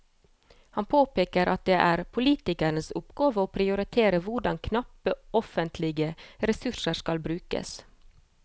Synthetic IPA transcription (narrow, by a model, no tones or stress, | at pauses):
hɑnpʰoːpeːkəɾʔɑt̪̚d̪eːʔæːɾpʰʊliːt̪ɪkænəsʊpɡɑːʋəoːpʰɾɪʊɾɪt̪ʰeːɾəʋʊɖɑŋkʰnɑpəɔfənt̪ʰlɪɡəɾɛsʉʂəskɑlbɾʉːkə̰s